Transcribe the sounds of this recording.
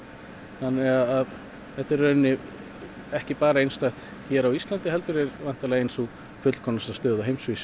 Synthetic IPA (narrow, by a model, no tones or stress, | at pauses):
θanːɛaðað | θɛht̪ɛɾːœnːɪ | ɛhcɪpaːɾaejnst̪ajht̪ | çɛːɾawist̪lant̪ɪɦɛlt̪ʏɾɛɾvan̥t̪alɛɣejnsu | fʏt̪l̥kʰɔnːasast̪œːðaɦejmsvis